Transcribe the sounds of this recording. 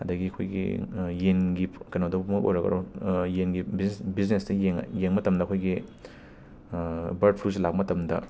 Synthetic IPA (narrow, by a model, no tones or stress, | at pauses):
ɐdɐɡiɐkʰojɡḭjeŋɡipkɐnadɐpumɐk̚ʔo̰jɾɐɡɐ̰ɾojenɡibisbiznestɐjeŋ̰jeŋmɐtɐmdɐkʰojɡi | bɐɾd̚pʰɾus̬elak̚pɐmɐtɐmdɐ̰